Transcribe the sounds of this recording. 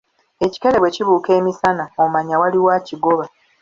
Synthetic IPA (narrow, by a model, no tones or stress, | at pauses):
e̞ci̥ke̞ɾeβweciβuːke̞ːmisanaomaɲawaliwaːciɡo̞βa